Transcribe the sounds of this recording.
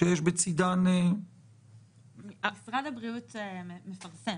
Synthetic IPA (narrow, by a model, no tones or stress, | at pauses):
ʃjɛʃbɪt͡sidanɛ | aɪsʁadabʁiutmefaʁsɛ